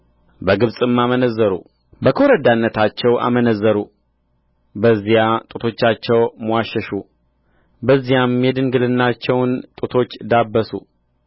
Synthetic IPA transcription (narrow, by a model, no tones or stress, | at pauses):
bəɡɨβsʼɨmːamənəzːəɾṵ | bəkʰoɾəd̪anːət̪ʰat͡ʃːɛwʔa̰mənəzːəɾu | bəzːijat̪ʼut̪ʰo̞t͡ʃːat͡ʃːɛwməwaʃːɛʃu | bəzːijamːjɛd̪ɨŋɡɨlɨnːat͡ʃːɛwnt̪ʼut̪ʰo̞t͡ʃːd̪abːəsu